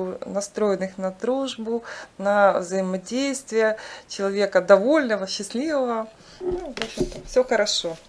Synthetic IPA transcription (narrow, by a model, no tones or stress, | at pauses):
nɐst̪ɾo̞jɪnɨxnɐd̪ɾuʐbʊnɐvzəjɪmɐdʲejst̪vʲɪjət͡ɕɪlˠɐvʲekəd̪ɐvo̞lʲnəvəɕːɪsʲlʲivəvɐ | nuvopɕʲɪmt̪ɐfsʲoxəɾɐʂo̞